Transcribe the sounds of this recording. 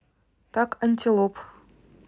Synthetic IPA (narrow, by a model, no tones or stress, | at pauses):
t̪ɑkanʲt̪ʲilˠop